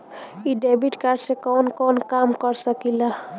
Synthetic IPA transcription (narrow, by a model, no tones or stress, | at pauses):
iɖebiʈkaɾɖsekɔnkɔnkamkɔɾsʌkila